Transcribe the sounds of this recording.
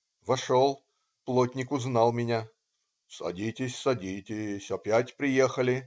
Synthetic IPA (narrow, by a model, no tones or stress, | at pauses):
vɐʂolˠ | plˠotʲnʲɪkʊznɑlˠmʲɪnʲa | sɐ̰dʲitʲɪsʲsɐdʲitʲɪsʲɐpʲætʲpɾʲɪjexəlʲɪ